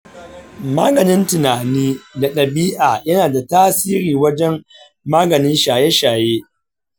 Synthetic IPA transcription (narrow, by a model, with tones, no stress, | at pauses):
ma̰ː˦ɡɐ˨nɪ˦ntɪ˨naː˨niː˦da˨ɗɐ˨biː˦ʔaː˨jɐ˦naː˨da˨taː˦siː˦ɾiː˨wɐ˦d͡ʒɛ˦m | maː˦ɡɐ˨nɪ˦nʃaː˨jɛ˦ʃaː˨jeː˦